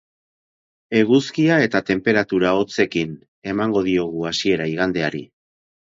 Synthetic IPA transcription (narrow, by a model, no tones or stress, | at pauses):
e̞ɣuskiae̞t̪at̪e̞mpe̞ɾat̪uɾao̞t͡se̞kin | e̞maŋɡo̞ð̞io̞ɣ̞uasie̞ɾaiɣ̞and̪e̞aɾḭ